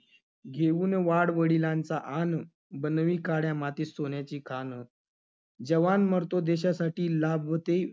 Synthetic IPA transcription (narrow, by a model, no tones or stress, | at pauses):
ɡʱeʋuːnʋaɽʋəɽilãnt͡saʔan | bənʋiːkaɽjamat̪iːsoɳjat͡ɕiːkʰanə | d͡ʑəʋanməɾt̪od̪eɕasaʈiːlabɦot̪e